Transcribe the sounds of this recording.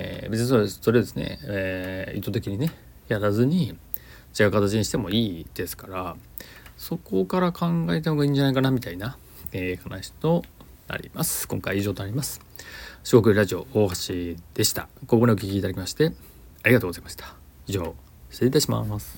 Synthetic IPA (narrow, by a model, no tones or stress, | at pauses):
ḛbet͡sɨ̃ɲ̃ĩsoso̞ɾed̪e̞sɨnḛ | ḭt̪ːo̞t̪e̞kʲiɲ̟ine | jaɾazɨɲ̟i | t͡ɕiɡaɯ̟kat̪at͡ɕiɲiɕi̥t̪e̞mo̞iːd̪̥e̞sɨ̥kaɾa | so̞ko̞kaɾakʰãŋɡaet̪enoɡaĩːɲ̟d͡ʑanaikanamʲit̪aina | eːhanaɕi̥t̪o̞ | na̰ɾʲḭma̰sɨ̥kõ̞ŋkaiiʑo̞ːt̪onaɾʲimasɨ̥ | ɕiɡo̞k̬ɯ̟ɾaʑio̞oɦaɕid̪̥e̞ɕi̥t̪a̰koɡoɲʲeo̟kʲikʲiːt̪ad̪akʲimaɕi̥t̪e̞ | aɾʲiɡat̪oːɡo̞zaimaɕi̥t̪ḁ | iʑo̞ː | seit̪aɕima̰sɨ̥